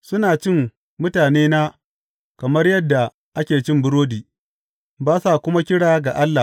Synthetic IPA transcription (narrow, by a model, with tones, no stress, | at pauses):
sʊ˦naː˨t͡ʃɪ˦m | mʊ˦taː˨neː˦naː˦ | kɐ˨mɐ˦rjɐ˦dːa˨ | ʔa˦kʲeː˨t͡ʃɪ˦mbʊ˦ɾoː˦diː˨ | baː˦sa˦˨kʷʊ˦ma˦kʲɪ˦ɽaː˦ɡa˨ʔa˦lːa˨